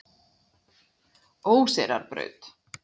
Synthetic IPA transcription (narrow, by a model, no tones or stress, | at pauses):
oːwsɛɾa̰ɾpɾœ̰ɥt̪